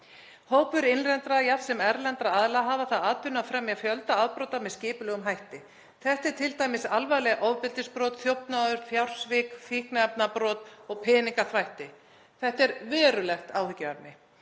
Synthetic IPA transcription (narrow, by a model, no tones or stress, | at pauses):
hoːwpʏɾɪnrɛnt̪ɾajafsɛmɛɾlɛnt̪ɾaaðlaɦaːvaθaðaːðpʏnːafɾɛmjafjœlt̪aaðpɾoːwt̪amɛðscɪːpʏlɛːɣʏmɦajht̪ɪ | θɛht̪ɛɾ̥t̪ʰɪlt̪ajmɪsalvajɣlɛɣʔowvpɪlt̪ɪspɾɔːt̪θjowpnaðʏɾ̥fjawr̥svɪkfihknaɛpnapɾɔːt̪ɔɣpʰɪːniŋkaθvajht̪ɪ | θɛht̪ɛɾvɛːɾʏlɛxt̪aːwhʏcːavapnɪ